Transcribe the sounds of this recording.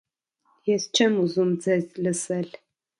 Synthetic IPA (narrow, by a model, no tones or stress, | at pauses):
jɛst͡ʃʰɐmuzumd͡zɐzlɨsɐɮ